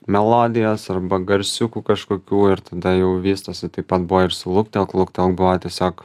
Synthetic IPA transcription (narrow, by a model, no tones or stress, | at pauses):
mʲɛlˠoːd̪ʲɪjoːsɐrbɐɡɐɾʲsʲʊkuːkɐʃkoːkʲuːɪɾt̪ɐd̪ɐjɛʊʋʲiːst̪osʲɪt̪ɐɪpɐt̪̚bʊʋoːɪɾsʊlˠʊkt̪ʲɛlˠklˠʊkt̪ʲɛlˠkbʊʋɐt̪ʲiɛsʲoːk